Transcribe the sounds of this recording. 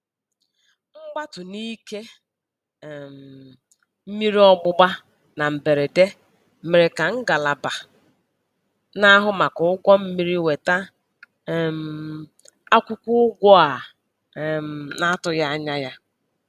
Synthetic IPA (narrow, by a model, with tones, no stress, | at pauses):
ŋ͡m̩˦ɡ͡ba˦tʊ˨ni˦ke˦˨ | m̩˨ | m̩˦mi˦ɾi˦ɔ˦ɡ͡bʊ˦ɡ͡ba˦ | na˨m̩˨be˨ɾe˨de˦ | me˨ɾe˨ka˨ŋ̩˦ɡa˨la˨ba˨ | na˦ɦʊ˦ma˨kʊ˨˦ʊ˦ɡʷɔ˦m̩˦mi˦ɾi˦we˨ta˦˨ | m̩˨ | a˦kʷʊ˦kʷʊ˦ɡʷɔ˦a˨ | m̩˨na˦tʊ˨ja˦ɲa˦ja˦